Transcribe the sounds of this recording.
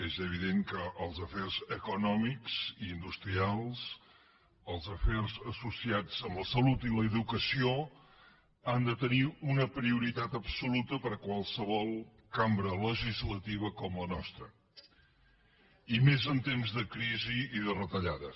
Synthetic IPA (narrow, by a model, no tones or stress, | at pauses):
ezəβ̞iðeŋkəʔːlˠzəferzəkunɔmikz̥iːnd̪ust̪ɾialˠs | əlˠzəferzəsusiad͡zəmləsəlut̪iləːðukəsio | and̪ət̪əniunəpɾiuɾit̪at̪əpsulut̪əpəɾəkwalˠsəβɔlˠ | kambɾələʒizlət̪iβəkɔmlənɔst̪ɾə | imezənt̪emzðəkɾiziːðərət̪əʎaðə